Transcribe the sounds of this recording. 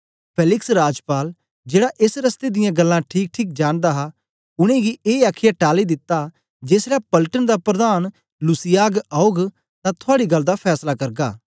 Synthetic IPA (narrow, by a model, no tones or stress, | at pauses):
pʰeːlɪksɾaːd͡ʒpaːl | d͡ʒeːɽaʔɪsɾɐst̪ed̪ɪjãɡɐlːãʈʰiːk̚ʈʰiːk̚d͡ʒaːñd̪aɦa | ʊɽ̃ẽɡiʔeːaːkʰɪjaʈaːlid̪ɪt̪ːa | d͡ʒeːsɾapɐlʈənd̪apɾɐd̪aːn | lʊsɪjaːɡaːoɡ | t̪ãt̪ʰʊaːɽiɡɐlːd̪apʰɛːslakɐɾɡa̰ː